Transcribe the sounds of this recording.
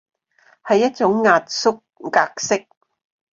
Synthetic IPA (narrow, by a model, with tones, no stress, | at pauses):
hɐ˨jːɐ˥t̚t͡sʊ˨˥ŋːaː˨t̚sʊ˥k̚ːaː˧k̚sɪ˥k̚